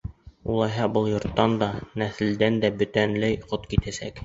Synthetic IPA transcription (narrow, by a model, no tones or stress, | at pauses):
ulˠɑjɦɑbɤlˠjŏɾt̪ːɑnd̪ɑnæθɘ̆ld̪ænd̪æbɵ̆t̪ænlæjqot̪kit̪æsæ̰k